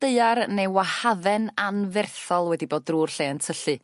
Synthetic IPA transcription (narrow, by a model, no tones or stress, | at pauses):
d̥eɨarnewahaðɛnanvɛrθɔlˠwɛdiboːd̚ruːrɬeːəntʰəɬɨ